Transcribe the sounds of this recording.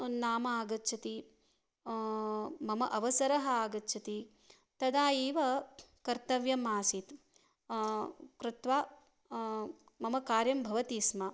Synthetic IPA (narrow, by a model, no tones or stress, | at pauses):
naːmɐaːɡɐtːt͡ʃʰɐt̪i | mɐmɐʔɐʋɐsɐɾɐɦɐaːɡɐtːt͡ʃʰɐt̪i | t̪ɐd̪aːjiːʋɐkɐɾt̪ɐʋjɐmaːsit̪ | kɾɪt̪ʋaː | mɐmɐkaːɾjɐmbʱɐʋɐt̪iːsmɐ